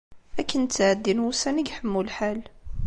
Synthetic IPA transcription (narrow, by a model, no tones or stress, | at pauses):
ækːənt͡sːʕəd̪ːinwusænəɡħəmːulħal